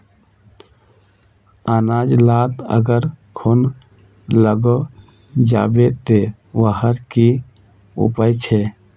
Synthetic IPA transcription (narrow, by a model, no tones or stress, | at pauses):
aːnaːd͡ʒlaːt̪ə̰ɡəɾkʰon | ləɡo | d͡ʒa̰ːbet̪e | ʋəɦəɾki | ṵpəjt͡ʃʰe